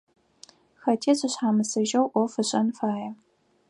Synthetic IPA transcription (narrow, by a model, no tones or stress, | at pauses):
xɐtʰeːɕɨɕħaːmɨsɐʒɐwʔʷɔfɨɕʼɐnfaːjɛ